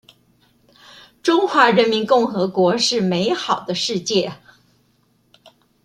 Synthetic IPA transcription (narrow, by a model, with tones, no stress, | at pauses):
ʈ͡ʂʊ˥ŋxwa˧˥ɻə˧˥nmi˧˥nkʊ˥˩ŋxɤ˧˥kwɔ˧˥ʂɻ̩˥˩me˧˥ɪxɑ˨˩ʊd̪ə˦ʂɻ̩˥˧t͡ɕjɛ˥˩